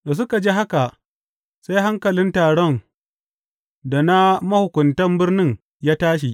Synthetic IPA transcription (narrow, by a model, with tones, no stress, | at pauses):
to˨s̬ʊ˦ka˨d͡ʒe˦ɦa˦ka˨ʔ | sa˦jɦa˦ŋkɐ˨lɪ˦ntaː˨ɽɔ˦n | da˨na˦mɐ˦hʊ˨kʷʊ˨ntɐ˦mbɪ˦rnɪ˦ŋ | jaː˦taː˦ʃ̬i˨ʔ